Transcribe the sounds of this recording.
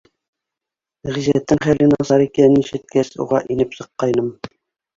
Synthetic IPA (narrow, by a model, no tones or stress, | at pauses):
ʁizæt̪ːɘŋχælɘ̆nɑzɑɾikænniʃɘ̆t̪̚kæsṵʁɑʔinɘpsɤ̆qːɑjnɤm